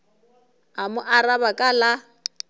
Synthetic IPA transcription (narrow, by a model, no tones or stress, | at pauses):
amʊʔarabakʼala